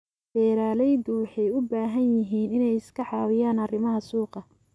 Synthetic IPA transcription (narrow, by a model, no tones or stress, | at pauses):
b̥ɛːɾaːlɛjd̪ʊwɑħɛjʊbaːɦɐnjɪɦiːnɪnɛjɪskʰɐħɑːwɪjaːnɐrɪmɐɦɐsuːqɑ